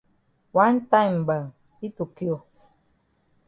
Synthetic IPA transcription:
wa˦nta˦jm˨bə˨ŋ | i˦tu˨ki˦o˨

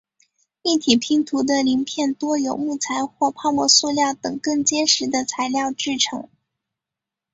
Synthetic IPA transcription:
i˥˩t̪ʰi˨˩pʰi˧˥ŋt̪ʰu˧˥d̪ə˧li˧˥npʰjɛ˥˩nt̪wɔ˥jo˨˩ʊmu˥˩t͡sʰa˧˥ɪxwɔ˥˧pʰɑ˥˧ʊmɔ˥˧su˥˧ljɑ˥˩ʊt̪ɤ˨˩ŋkɤ˥˩ŋt͡ɕjɛ˥nʂɻ̩˧˥d̪ə˧t͡sʰa˧˥ɪljɑ˥˧ʊʈ͡ʂɻ̩˥˩ʈ͡ʂʰɤ̰˧˥ŋ

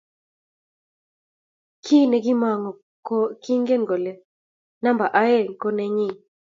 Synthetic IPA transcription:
kʰi˦nɛ˨ɡɪ˦ma˨ŋɔ˨ | ko˦ki˦ŋɡe˦nɡo˨lɛ˦ | na˦mba˨ʔa˦e˦˨ŋko˦nɛ˦ɲɪ˦˨

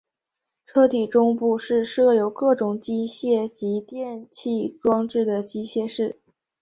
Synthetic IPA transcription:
ʈ͡ʂʰɤ˥t̪ʰi˨˩ʈ͡ʂʊ˥ŋpu˥˧ʂɻ̩˥˧ʂɤ˥˩jo˧˥ʊkɤ˥˩ʈ͡ʂʊ˨˩ŋt͡ɕi˥ɕjɛ˥˩t͡ɕi˧˥t̪jɛ˥˧nt͡ɕʰi˥˩ʈ͡ʂwɑ˥ŋʈ͡ʂɻ̩˥˩d̪ə˩t͡ɕi˥ɕjɛ˥˧ʂɻ̩˥˩

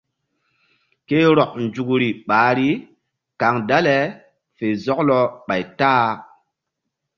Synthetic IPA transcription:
ke˦ɾɔ˨k̚nd͡ʒu˨kɾi˨ɓaː˨˦ɾi˦ | ka˨ŋda˦le˨ | fe˨zɔ˦klɔ˦ɓa˨jtaː˦

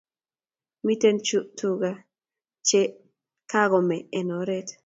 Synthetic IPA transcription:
mi˦t̪e˦nt͡ʃu˦ʔtu˦ɡa˦ | t͡ʃe˦ | ka˦ɣɔ˨mɛ˨ɛ˨nɔ˨ɾɛ˦t

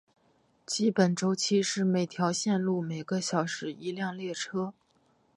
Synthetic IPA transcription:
t͡ɕi˥pə˨˩nʈ͡ʂo˥ʊt͡ɕʰi˥ʂɻ̩˥˩me˨˩ɪt̪ʰjɑ˧˥ʊɕjɛ˥˧nlu˥˩me˨˩ɪɡə˦ɕjɑ˨˩ʊʂɻ̩˨˩i˧˥ljɑ˥˧ŋljɛ˥˩ʈ͡ʂʰɤ˥

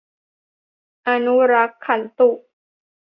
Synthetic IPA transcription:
ʔa˨nu˦ɾa˦kʰːa˨lt̪u˦˨

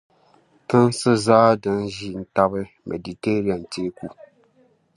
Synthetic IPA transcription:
tɨ˦nsɨ˦zaː˦dɨ˦nʒi˦n̩˦ta˦bɨ˦ | mʔḛ˨di˨te˦ɾi˦a˨n˨teː˦ku˦

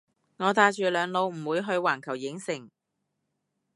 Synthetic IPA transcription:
ŋɔː˨˧t̪aː˧t͡ʃyː˨lœː˨˧ŋlo˨˧wm̩˨˩wuː˨˧jɦɵ˧ɥwaː˨˩nkʰɐ˨˩wjɪ˨˥ŋsɪ˨˩ŋ

